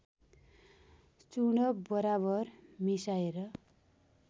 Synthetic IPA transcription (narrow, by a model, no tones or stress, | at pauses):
t͡suɽʌbʌɾaβʌrmisaeɾʌ